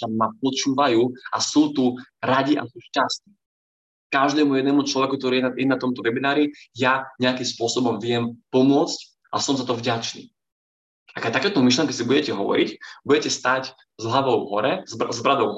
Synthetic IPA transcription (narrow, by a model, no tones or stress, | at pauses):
amapɔt͡ʃuːʋajuːʔasuːt̪uɾaɟiʔa̰suːʃcast̪iː | kaʒd̪ɛːmujɛd̪nɛːmut͡ʃlɔʋɛkukt̪ɔɾiːjɛnajɛnat̪ɔmt̪ɔʋɛbinaːɾijaɲɛakimspʊɔsɔbɔmvɪɛmpɔmʊɔt͡sc | ʔasɔmzat̪ɔvɟat͡ʃnḭː | akat̪akɛːt̪ɔmiʃ̬lɛŋkɛsibuɟɛcɛɦɔʋɔ̰ɾḭcbuɟɛcɛst̪ac | zɦlaʋɔʊɦɔɾɛzzbɾad̪ɔʊɦ